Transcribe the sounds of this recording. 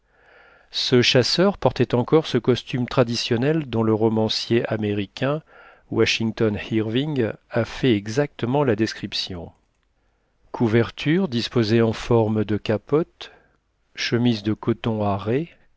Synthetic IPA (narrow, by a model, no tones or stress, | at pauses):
səʃasœʁpɔʁt̪ɛt̪ɑ̃kɔʁsəkɔst̪ymt̪χad̪isjɔnɛld̪ɔ̃ləʁɔmɑ̃sjeʔameʁikʲɛ̃ | waʃiŋt̪ɔnhiʁviŋafɛɛɡzak̚t̪əmɑ̃lad̪ɛskχipsjɔ̃ | kʰuvɛʁt̪ʰyʁd̪ispozeɑ̃fɔʁmd̪əkapɔt̪ | ʃəmizd̪əkɔt̪ɔ̃aʁe